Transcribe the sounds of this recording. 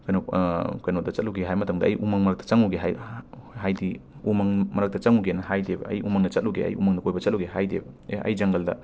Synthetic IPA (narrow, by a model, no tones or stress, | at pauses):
kɐjnokɐjnodɐt͡ʃɐt̚luɡeɦajmɐtʰɐmdɐɐ̰jʔumaŋmɐɾɐk̚tɐ̥t͡ʃɐŋuɡeɦajɦajdiumaŋmɐɾɐk̚dɐt͡ʃɐŋuɡenɐhajdebɐ̰ɐ̰jʔumaŋdɐt͡ʃɐt̚luɡeɐ̰jumaŋdɐkojbɐt͡ʃɐt̚luwɡeɦajdebɐɐ̰jd͡ʒɐŋɡɐldɐ̰